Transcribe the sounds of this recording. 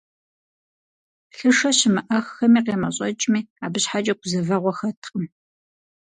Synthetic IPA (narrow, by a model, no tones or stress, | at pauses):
ɬɨʂɐɕɪmɨʔɐxːɐmiːqeːmɐɕʼɐt͡ʃʼmiːaːbɨɕħad͡ʒʼɐɡʷʊzɐvɐʁʷɔxɐtʰqʼəm